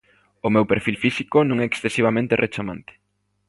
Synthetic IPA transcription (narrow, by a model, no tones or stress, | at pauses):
ʊmewpeɾfilfisikonõŋɛːksθesiβ̞amẽnt̪erʔet͡ʃamã̰nt̪e̥